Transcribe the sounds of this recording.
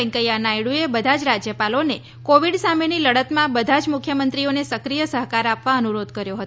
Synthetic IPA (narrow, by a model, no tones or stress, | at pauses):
ɛŋkəjanajɽuebəd̪ʱad͡ʒɾad͡ʒjəpalone | koʋiɖsameniləɽət̪mãbəd̪ʱad͡ʒmʊkʰjəmənt̪ɾionesəkɾijəsəɦkaɾapʋãənuɾod̪ʱkəɾjoɦət̪